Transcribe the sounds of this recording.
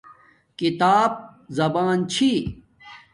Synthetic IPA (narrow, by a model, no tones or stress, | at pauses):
kit̪aːb̚zɐbaːnt͡ɕʰi